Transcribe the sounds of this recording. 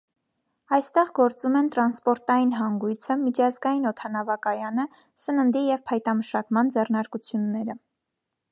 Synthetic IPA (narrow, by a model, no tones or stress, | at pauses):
ɑjst̪ɛʁɡɔɾt͡sumɛnt̪ɾɑnspɔɾt̪ɑjinɦɑŋɡujt͡sʰəmit͡ʃʰɑzɡɑjinɔt̪ʰɑnɑvɑkɑjɑnə | sənənd̪ijɛvpʰɑjt̪ɑməʃɑkmɑnd͡zɛrnɑɾkut͡sʰjunːɛɾə